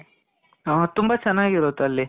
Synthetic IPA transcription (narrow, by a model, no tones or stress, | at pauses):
t̪umbɐt͡ʃɐnːaːɡiɾot̪uɐlːi